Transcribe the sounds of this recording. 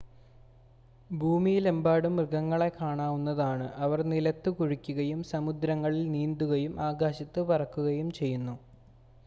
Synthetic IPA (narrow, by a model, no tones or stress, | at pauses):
bʱuːmijlembaːɽumrɨɡɐŋːɐɭe̞kaːɳaːʋunːɐðaːɳɨʔɐʋɐrnilɐt̪ːɨkuɻikʲːuɣɐjumsɐmud̪ɾɐŋːɐɭilniːnd̪uɣɐjumʔaːɡaːɕɐt̪ːɨpɐrɐkːuɣɐjumt͡ɕe̞jːunːu